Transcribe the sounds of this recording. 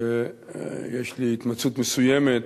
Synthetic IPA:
e | jeʃliit̪mat͡sut̪mesujemet̪

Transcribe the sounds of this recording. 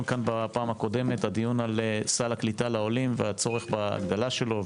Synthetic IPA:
nkanbapaːmhako̞d̪e̞me̞t̪had̪ijunalsalaklitalaolimveat͡so̞ʁe̞χbaa̰ɡd̪alaʃe̞lo̞

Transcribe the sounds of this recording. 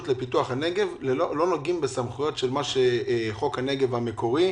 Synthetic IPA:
utlepituaχhaneɡe̞vlelolo̞noɡimbesamχujo̞tʃelmaʃeχo̞khane̞ɡevhame̞ko̞ʁi

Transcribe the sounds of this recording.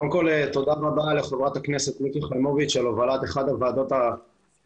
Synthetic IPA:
okolet̪o̞d̪aʁabaleχovʁat̪akneset̪mikiχajmovit̪ʃelovalat̪eχad̪avaːd̪o̞t̪a

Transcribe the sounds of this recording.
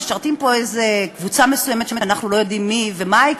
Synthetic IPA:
ʃaʁt̪impo̞ejzekvut͡samesujemet̪ʃemeanaχnulo̞jo̞dimːivemai

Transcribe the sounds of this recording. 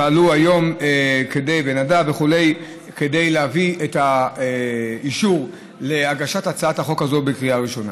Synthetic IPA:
aːluajo̞mke̞de̞jbenadaveχule̞j | ke̞de̞jleavieta | iʃuʁ | leaɡaʃatat͡saathaχo̞kazo̞bekʁijaʁiʃo̞na̰

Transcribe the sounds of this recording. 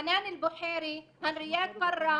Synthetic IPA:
naːnɪlbʊħeːɾihanɾɪjaːd̪̚qɑrˤːɑ

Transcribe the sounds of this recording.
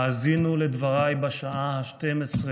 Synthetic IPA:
azinuled̪vaʁajbaʃaʔahaʃtemesʁe

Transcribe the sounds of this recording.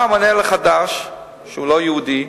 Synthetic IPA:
maneleχad̪aʃ | ʃeulojeud̪i

